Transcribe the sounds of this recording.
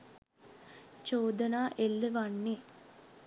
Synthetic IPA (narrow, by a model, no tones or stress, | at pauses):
t͡ʃoːd̪ɐnaːʔelːəʋanːe